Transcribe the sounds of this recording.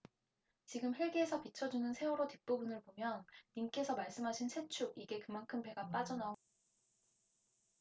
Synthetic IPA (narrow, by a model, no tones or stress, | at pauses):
t͡ɕiɡɯmɦiɭɡeːsʰʌpit͡ɕʰʌd͡ʑunɯnsʰe̞woɾotip͈obunɯɭpomjʌnːiŋk͈e̞sʰʌmaɭs͈ɯmɦaɕʰinsʰe̞t͡ɕʰuɡ̚iɡe̞kɯmankʰɯmpe̞ɡap͈ad͡ʑʌnao